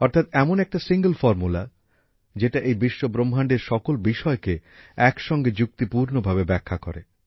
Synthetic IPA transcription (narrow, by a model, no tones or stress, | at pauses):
ɔɾt̪ʰat̪ɛmonɛk̚ʈasiŋɡəlfɔɾmula̰ | d͡ʑeʈaʔejbiʃːobɾomʱaɳɖeɾʃɔkolbiʃɔekeɛkʃɔŋɡed͡ʑuk̚t̪ipuɾnobʱaβebɛkʰːakoɾḛ